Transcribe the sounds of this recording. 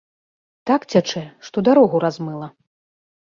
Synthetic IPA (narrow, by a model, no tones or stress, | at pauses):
t̪akt͡sʲat͡ʂɛʂt̪ɔd̪aɾɔɣuɾazmɨlˠɐ